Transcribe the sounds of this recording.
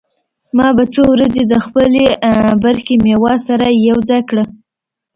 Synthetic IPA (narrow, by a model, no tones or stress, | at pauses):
mɑbat͡sowɾazed̪əxpəlebaɾxemewɑsaɾajawd͡zɑjkɽə